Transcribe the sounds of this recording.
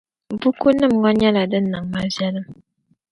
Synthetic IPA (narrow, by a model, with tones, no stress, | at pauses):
bu˦ku˦nɨ˦mŋɔ˦ɲɛ˦la˨dɨ˦nɨ˨ŋma˦vjɛ˦lɨ˦m